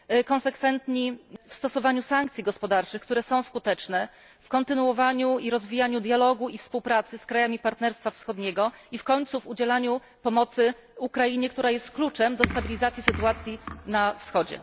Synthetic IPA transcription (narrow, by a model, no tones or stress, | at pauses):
kɔ̃nsɛkfɛnt̪ɲifst̪ɔsɔvaɲusaŋkt̪sʲiɡɔspɔd̪aɾt͡ʂɘxkt̪uɾɛsɔ̃w̃skut̪ɛt͡ʂnɛ | fkɔnt̪ɘnuwɔvaɲuiɾɔzvʲijaɲud̪jalɔɡuifspuwpɾat̪sɘskɾajamʲipaɾt̪nɛɾst̪fafsxɔd̪ɲɛɡɔifkɔɲt̪suvud͡ʑɛlaɲu | pɔmɔt̪sɘ | ukɾajiɲɛkt̪uɾajɛst̪klut͡ʂɛmd̪ɔst̪abʲilʲizat̪sʲjisɘt̪uat̪sʲjinafsxɔd͡ʑɛ̰